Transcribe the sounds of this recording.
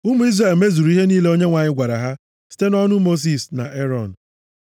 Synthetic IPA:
u˦mʊ˨i˦zra˨lme˦zu˨ɾu˨˦i˦ɦe˦niː˦le˦o˦ɲe˦ŋʷa˨ɲɪ˦ɡʷa˨ɾa˨ɦa˦ | si̥˦te˦nɔ˦nʊ˦mo˦s̬i˦˨sna̰˨ʔe˦ɾɔ˨n̩˨

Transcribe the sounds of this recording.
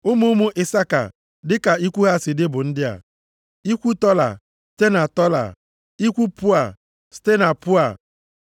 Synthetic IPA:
ʊ˦mu˦mu˦ʔɪ˨sa˦ka̰˨ | dɪ˦ka˨i˦kʷu˦ɣa˦˨sɪ˨dɪ˦bʊ˨n̩˦dɪ˦a̰˨ | i˦kʷu˦tɔ˦la̰˨ | ste˦na˨tɔ˦la̰˨ | i˦kʷu˦pʊ˦a˨ | ste˦na˨pʊ˦a˨

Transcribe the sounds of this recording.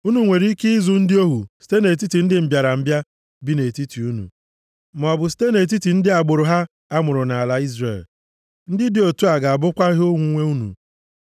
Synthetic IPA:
u˦nu˨ŋʷe˨ɾi˦ki˦zʊ˨n̩˦dɪ˦o˦ɦṵ˨si̥˨te˦ne˨t̬i˦ti˨n̩˦dɪ˦m̩˨bja˨ɾa˨m̩˨bja˦ | bi˦ne˨ti˦ti˨u˦nṵ˨ | ma˨ɔ˨bʊ˨s̬i̥˦te˦ne˨t̬i˦ti˨n̩˦dɪ˦a˨ɡ͡bo˨ɾo˨ɦa˦ | a˦mʊ˨ɾʊ˨na˨a˨la˦i˦zrḛ˨l | n̩˦dɪ˦dɪ˨˦o˨tu˦a˨ɡa˨a˨bʊ˦kʷa˦ɪ˦ɦʊ˦ŋʷu˨ŋʷe˦u˦nṵ˨

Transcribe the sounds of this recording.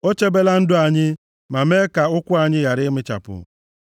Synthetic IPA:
o˦t͡ʃe˦be˦la˦n̩˦dʊ˦a˨ɲɪ˦ | ma˨me˦ka˨ʊ˦kʷʊ˦a˨ɲɪ˦ja˨ɾɪ˦mɪ˦t͡ʃa̰˨pʊ̰˨

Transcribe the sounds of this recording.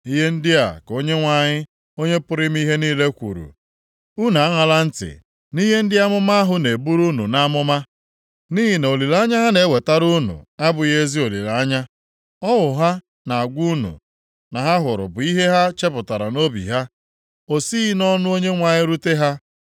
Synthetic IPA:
i˦ɦe˦n̩˦dɪ˦a̰˨ko˦ɲe˦ŋʷa˨ɲɪ˦ | o˦ɲe˦pʊ˦ɾɪ˦m̩˦i˦ɦe˦niː˦le˦kʷṵ˨ɾṵ˨ | u˦na˨a˦ŋa˨la˦n̩˦tɪ̰˨ | ni˦ɦe˦n̩˦dɪ˦a˦mʊ˦ma˦ɦʊ˦ne˨bu˦ɾu˦nṵ˨na˦a˦mʊ˦ma˦ | ni˦ɦi˨ne˨o˨li˨la˦ɲa˦ɦa˦ne˨˦we˨ta˦ɾu˦nṵ˨a˦bʊ˨je˦zi˦o˨lḭ˨la˨a˦ɲa˦ | ɔ˦wʊ˨ɦa˦ | na˨a˨ɡʷu˦nṵ˨ | na˨ɦa˦ɦʊ˨ɾʊ̰˨bʊ˨i˦ɦe˦ɦa˦t͡ʃe˦pʊ˨ta˨ɾa˨no˦bḭ˨ɦa˦ | o˨si˦i˦nɔ˦nʊ˦o˦ɲe˦ŋʷa˨ɲɪ˦ɾu˦te˦ɦa˦

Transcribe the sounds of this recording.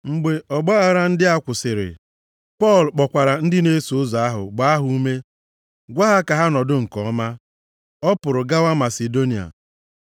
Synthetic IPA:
ŋ͡m̩˨ɡ͡be˨ʔɔ˨ɡ͡ba˦ɣa˨ɾa˦n̩˦dɪ˦a˦kʷʊ˨sɪ˨ɾɪ̰˨ | pɔ˦˨lk͡pɔ˨kʷa˨ɾa˨n̩˦dɪ˦ne˦su˨ʊ˦za˨a˦ɦʊ̰˨ɡ͡ba˨˦a˦ɦu˦u˦me˦ | ɡʷa˦ɦa˦ka˨ɦa˦nɔ˨dʊ˦ŋ̩˨kɔ˨˦ma˦ | ɔ˦pʊ˨ɾʊ˨ɡa˦wa˦ma˨se˨do˦ni˨a̰˨

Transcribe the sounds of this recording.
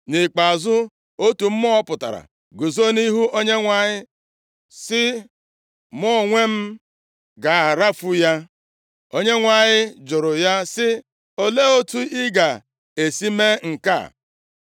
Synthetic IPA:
nɪ˨k͡pa˨zʊ˦ | o˦tu˨m̩˦mɔ˦pʊ˨ta̰˨ɾa̰˨ | ɡʊ˨zo˦ni˦ɦu˦o˦ɲe˦ŋʷa˨ɲɪ˦ | sɪ˦ | mɔ˦˨ŋʷe˦m̩˦ | ɡa˨a˨ɾa˦fu˦ja˦ | o˦ɲe˦ŋʷa˨ɲɪ˦d͡ʒʊ˨ɾʊ˨ja˦sɪ˦ | o˦le˦o˦tu˦ɪ˦ɡa˨ | e˨si˦me˦ŋ̩˨ka̰˦˨

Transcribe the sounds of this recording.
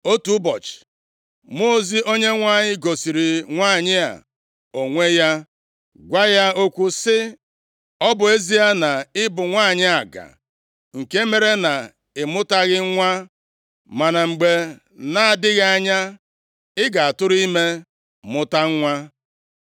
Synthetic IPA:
o˦tu˨˦bɔ˨t͡ʃɪ̥˨ | mo˦˨zi˦o˦ɲe˦ŋʷa˦˨ɲɪ˦ɡo˨si˨ɾi˨ŋʷa˦˨ɲɪ˦a̰˨ | o˨ŋʷe˦ja˦ | ɡʷa˦ja˦o˦kʷu˦sɪ˦ | ɔ˦bʊ˨e˦zi˦a˦na˨ɪ˦bʊ˨ŋʷaː˦˨ɲɪ˦a˨ɡa̰˨ | ŋ̩˨ke˦me˦ɾe˦na˨ | ɪ˨mʊ˦ta˦ɣɪ˦ŋʷa˦ | ma˨na˨ŋ͡m̩˨ɡ͡be˨ | na˦a˨dɪ˦ɣa˦a˨ɲa˦ | ɪ˦ɡa˨a˨tʊ˦ɾʊ˦i˦me˦ | mʊ˦ta˦ŋ̩˦ŋʷa˦

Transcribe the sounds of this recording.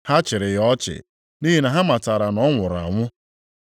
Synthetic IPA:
ha˦t͡ʃɪ˨ɾɪ˨jɔ˦t͡ʃɪ̰˨ | ni˦ɦi˨na˨ɦa˦ma˨ta˨ɾa˨nɔ˨˦ŋʷʊ˨ɾa̰˨ŋʷʊ˦

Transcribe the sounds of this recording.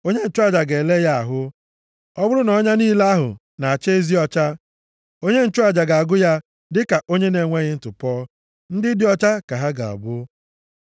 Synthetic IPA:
o˦ɲe˦n̩˦t͡ʃʊ˦a˨d͡ʒa˨ɡe˨le˦ja˦a̰˨ɦʊ˦ | ɔ˦bʊ˦ɾʊ˦nɔ˦ɲa˦niː˦la˦a˦ɦʊ̰˨ | na˨a˨t͡ʃe˦e˦zi˦ɔ˦t͡ʃa˦ | o˦ɲe˦n̩˦˨t͡ʃʊ˦a˨d͡ʒa˨ɡa˨a˨ɡʊ˦ja˦ | dɪ˦ka˨ʔo˦ɲe˦ne˨ŋʷe˦ɣɪ˦n̩˨tʊ˨pɔː˦ | n̩˦dɪ˦dɪ˦ɔ˦t͡ʃa˦ka˨ɦa˦ɡa̰˨a̰˨bʊ˦

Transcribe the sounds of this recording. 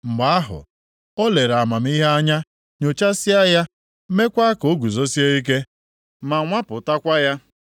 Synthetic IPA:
m̩˨ɡ͡ba˨a˦ɦʊ̰˨ | o˦le˨ɾa˨ma˨m̩˦i˦ɦe˦a˦ɲa˦ | ɲo˨t͡ʃa˦sɪ˦a˦ja˦ | me˦kʷa˦a˦ko˨˦ɡu˨zo˦si˦e˦i˦k̬e˦ | ma˨ŋʷa˦pʊ˨ta˦kʷa˦ja˦

